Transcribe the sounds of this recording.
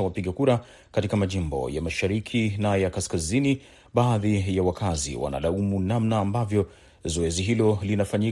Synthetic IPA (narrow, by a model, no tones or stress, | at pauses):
awapiɡakuɾa | katikamaʄimbɔ̰jamaʃaɾikʰinajakaskazini | ɓaːðijawakʰazḭwa̰na̰laumunamnaːmbavjɔ | zɔɛziɦilɔlinafaɲi